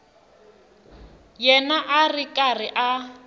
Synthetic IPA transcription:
jɛnaʔarikʼariʔa

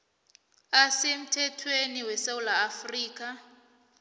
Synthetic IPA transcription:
asem̩tʰɛtʰweniwɛsawulaːfriːk̬ʼa

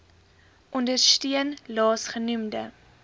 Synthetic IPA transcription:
ʔɔndərstiənlɑːsχənumdə̰

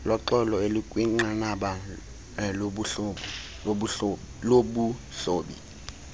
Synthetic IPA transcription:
lɔǁɔlɔelikʼwiŋ͡ǀanaɓa | loɓuɬo | loɓu | ɬoːɓḭ

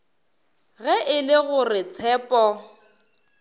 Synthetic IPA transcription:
ɣɛʔɪlɪɣʊrɪt͡sʰɛːpʼɔ

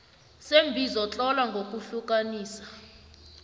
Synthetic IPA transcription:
sembʱizɔt͡ɬʼɔlaŋɡʱok̬ʼuɬuk̬ʼaniːsḁ

